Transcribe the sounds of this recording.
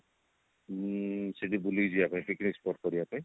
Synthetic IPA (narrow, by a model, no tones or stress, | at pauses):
siɖibuliziakãjpiknikspɔʈ̚kɔɾiapãj̃